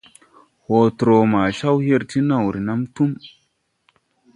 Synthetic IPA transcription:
ho˨tɾo˨ma˨ʃa˦whe˦ɾti˦na˨wɾi˨na˦mtu˦m

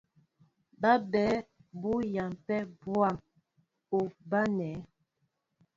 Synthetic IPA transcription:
ba˦bɛː˨˦bu˦ja˨mpɛ˦bwa˦˨m | u˨ba˦nɛ˨˦

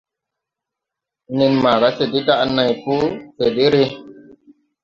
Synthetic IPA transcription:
ni˧nma˨ɾa˦se˨di˦da˦ʔna˨jpu˦se˨di˦ɾe˦

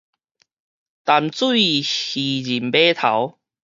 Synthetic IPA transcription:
t̪a˨˧mt͡su˥˨ihi˨˩d͡ʑi˨˩mbe˦t̪ʰa̰˨˦w

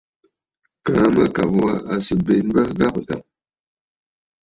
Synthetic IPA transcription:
kaː˨˦ma̰˦ka˨bwa˦a˨si˨be˨n˦ba˦ɡa˦˨bta̰˨m

